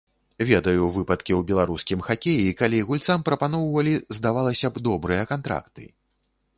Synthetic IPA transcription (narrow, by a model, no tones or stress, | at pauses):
vʲɛd̪ɐjuvɨpɐt̪̚kʲiwbʲɛlˠaɾuskʲimxakʲejikalʲiɣulʲt̪sampɾɐpanɔwvɐlʲizd̪avalˠɐsʲɐbd̪ɔbɾɨjɐkant̪ɾa̰kt̪ɨ̰